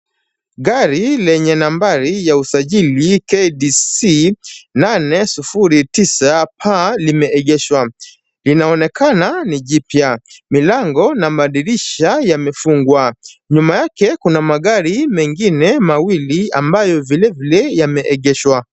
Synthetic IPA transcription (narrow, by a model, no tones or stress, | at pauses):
ɠaɾilɛɲɛnambaɾijausaʄilikeɗisinanɛsufuɾitisapʰalimɛʔɛɠɛʃwa | linaɔnɛkʰananiʄipjamilaŋɡɔnamaɗiliʃajamɛfuŋɡwaɲumajakɛkunamaɠaɾimɛŋɡinɛmawiliambajɔvilɛvilɛjamɛʔɛɠɛʃwa